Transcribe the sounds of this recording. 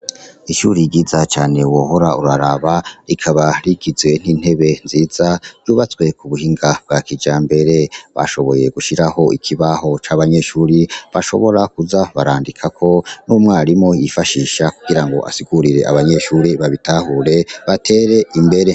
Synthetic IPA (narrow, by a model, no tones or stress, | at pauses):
iʃuɾiɡizat͡ʃaːne̞woho̞ɾaʔuɾaɾaβaikʰaβaɾiɡizwe̞n̥iːn̥he̞βe̞nziːzajuːβat͡swe̞kuβuhiŋɡab̚ɡakid͡ʒaːmbe̞ɾe̞βa̰ʃo̞βo̞je̞ɡuʃiɾaho̞ʔikʰiβaɦo̞t͡ʃaːβaɲe̞ʃuːɾiβaʃo̞̰βo̞ɾakuzaβaɾaːndikʰakʰo̞numŋaːɾimo̞jifaʃiʃakuɡiɾaŋɡo̞̰ʔa̰siɡuɾiɾe̞ʔa̰βaɲe̞ʃuɾiβaβitahuːɾe̞βatʰe̞ːɾe̞imbe̞ɾe̞